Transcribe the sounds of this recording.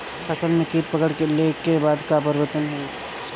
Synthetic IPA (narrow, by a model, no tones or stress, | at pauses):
sɐsəlmẽkiːp̚pəkəɽkelekebaːd̪kapəɾɪʋət̪ənɦe